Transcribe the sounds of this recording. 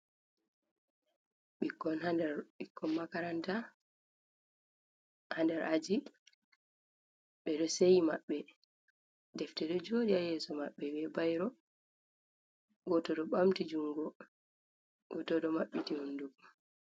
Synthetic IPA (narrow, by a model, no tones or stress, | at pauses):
ɓikːɔnhandɛɾɓikːɔnmakaɾanta | handɛɾʔad͡ʒi | ɓɛɗɔsejmaɓːɛ | dɛftɛɗɔd͡ʒodiajɛːsɔmaɓːɛbɛbajɾɔ | ɡɔtɔɗɔɓamtid͡ʒuŋɡɔ | ɡɔtɔɗɔmaɓːitihunduk